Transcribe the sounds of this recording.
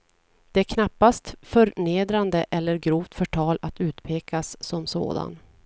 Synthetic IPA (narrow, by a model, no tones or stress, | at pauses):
d̪̥ɛæɾkʰnapːast̪fœɾneːd̪ɾand̪əʔɛlːəɾɡɾuːvt̪fœʈʰɑːlat̪ʉ̟ːt̪pʰeːkasːɔmso̰ːd̪a̰n